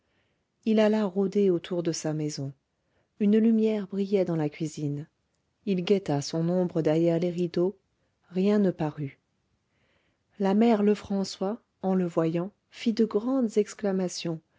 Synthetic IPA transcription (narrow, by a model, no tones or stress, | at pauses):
ilalaʁod̪eot̪ʰuʁd̪əsamɛzɔ̃ | ynlymjɛʁbʁijɛd̪ɑ̃lakʲɥizin | ilɡʲɛt̪asɔ̃nɔ̃bʁəd̪ɛʁjɛʁleʁid̪o | ʁjɛ̃nəpaʁy | lamɛʁləfχɑ̃swa | ɑ̃ləvwajɑ̃ | fid̪əɡʁɑ̃d̪zɛksklamasjɔ̃